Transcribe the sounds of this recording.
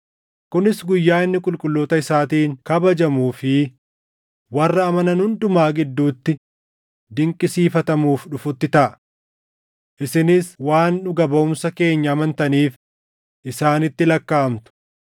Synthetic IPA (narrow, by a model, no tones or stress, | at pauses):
kʊnɪsɡʊjːaːɪnːɪkʼʊlkʼʊlːoːt̪ɐɪsaːt̪iːŋkɐbɐd͡ʒɐmuːfɪ | wɐrːɐːmɐnɐnhʊnd̪ʊmaːɡɪd̪ːuːt̪ːɪ | d̪ɪŋkʼɪsiːfɐt̪ɐmuːfᶑʊfʊt̪ːɪt̪ɐʔɐ | ʔɪsɪnɪswaːnᶑʊɡɐbɐʊmsɐke̞ːɲːɐːmɐnt̪ɐniːf | ʔɪsaːnɪt̪ːɪlɐkːaːɐmt̪ʊ̥